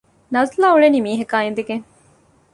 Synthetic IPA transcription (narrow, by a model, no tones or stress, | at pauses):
nɐzlaːuɭeniːmiːɦekaːind̪eɡeŋ